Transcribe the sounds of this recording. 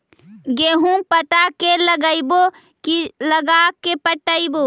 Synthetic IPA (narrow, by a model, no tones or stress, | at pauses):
ɡeɦũpəʈakeləɡəɪbo | kiləɡakːepəʈəɪbo